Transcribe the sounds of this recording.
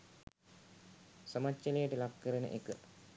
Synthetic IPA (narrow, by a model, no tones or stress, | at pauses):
sɐmat͡ʃːɐlejəʈəlakːəɾənə̰ʔekə